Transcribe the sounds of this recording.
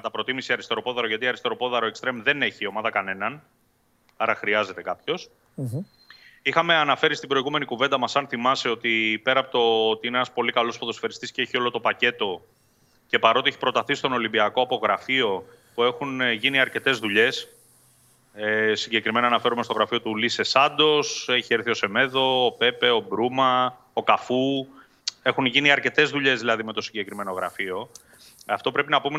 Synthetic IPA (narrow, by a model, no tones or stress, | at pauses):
kɐt̪ɐpɾo̞t̪imisiɐɾist̪eɾo̞po̞ðɐɾoʝɐt̪iɐɾist̪̞ɾo̞po̞ðɐɾoe̞kst̪ɾemðe̞neçio̞mɐðɐkɐne̞nɐn | ɐɾɐxɾiɐze̞t̪ekɐpço̞s | ixɐme̞ɐnɐfe̞ɾist̪ibɾo̞iɣume̞nikuve̞nd̪ɐmɐsɐnθimɐseo̞t̪ipe̞ɾɐːpot̪ot̪iineenɐspo̞likɐlo̞spoðo̞sfeɾist̪isceeçio̞lo̞t̪o̞pɐce̞t̪o̞ | ce̞pɐɾo̞t̪ieçipɾo̞t̪ɐθist̪o̞no̞limbiɐko̞ɐpo̞ɣɾɐfio̞ | pue̞xunʝiniɐɾce̞t̪e̞zðuʎe̞s | siɲɟe̞kɾime̞nɐːnɐfe̞ɾumest̪o̞ɣɾɐfio̞t̪ulise̞sɐnd̪o̞se̞çieɾθio̞se̞me̞ðo̞ːpe̞pe̞o̞bɾumɐ | o̞kɐfu | e̞xunʝiniɐɾce̞t̪e̞zðuʎe̞zðilɐðime̞t̪o̞siɲɟe̞kɾime̞no̞ɣɾɐ̰fio̞ | ɐft̪o̞pɾe̞pinɐpume